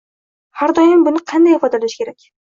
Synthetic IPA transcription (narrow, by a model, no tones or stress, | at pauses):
haɾd̪ɒjɪmbʊnɪqʰɑnd̪ajɪfɒd̪alaʃkʲe̞ɾakʲ